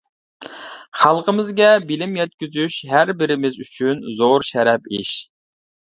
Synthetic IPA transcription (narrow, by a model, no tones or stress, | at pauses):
χɑlˠqəmɪzɡʲɛbɪlɪmjɛt̪̚kʲyzyʃɦæɾbɪɾɪmɪzyt͡ʃʰynzoɾʃɛɾɛpiʃ